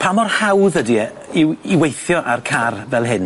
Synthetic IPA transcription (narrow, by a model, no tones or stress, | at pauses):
pʰamɔrhawðədi | iwiwejθjɔʔarkʰarvɛlˠɦɪn